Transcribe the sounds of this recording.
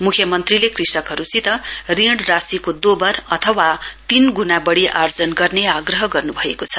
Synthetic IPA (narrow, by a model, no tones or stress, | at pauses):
mukʰjʌmʌnt̪rilekrisʌkɦʌɾusit̪ʌriɽrasikod̪obʌrʌt̪ʰʌwat̪inɡunabʌɽiʔard͡zʌnɡʌrneaɡrʌɦʌɡʌrnubʱʌekot͡sʰʌ̥